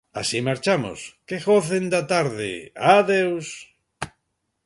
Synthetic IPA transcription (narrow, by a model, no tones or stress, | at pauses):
a̰simaɾt͡ʃamʊ̰skeɣoθend̪at̪aɾðɪ̰aðews